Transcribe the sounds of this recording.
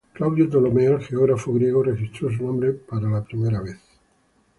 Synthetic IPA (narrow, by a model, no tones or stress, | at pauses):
klawðjod̪olomealxeoɣ̞ɾafoɣɾje̞ɣ̞orexist̪ɾo̞s̬unõmbɾepaɾalapɾime̞ɾaβeθ